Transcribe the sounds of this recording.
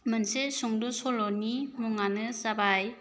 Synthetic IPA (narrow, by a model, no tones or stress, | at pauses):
mənsesuŋdɔsɔlɔnimuŋanɯsabaj